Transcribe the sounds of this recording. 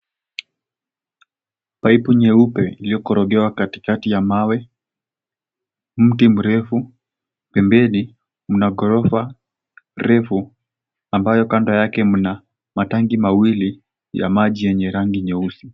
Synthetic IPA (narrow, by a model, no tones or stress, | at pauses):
paipuɲɛupɛilijɔkɔɾɔɡɛwakati̥katijamawɛ | m̩tim̩ɾɛfu | pɛmbɛni | m̩naɡɔɾɔfa | ɾɛfu | ambajɔkandajakɛm̩na | mataŋɡimawili | ja̰maʄijɛɲɛɾaŋɡiɲɛusi̥